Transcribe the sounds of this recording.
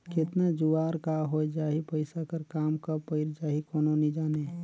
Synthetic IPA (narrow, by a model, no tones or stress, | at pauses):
kɪt̪nad͡ʒuaːɾkaɦod͡ʒaːɦipəɪsakəɾkaːmkapəɪɾd͡ʒaːɦikoːnonĩd͡ʒaːne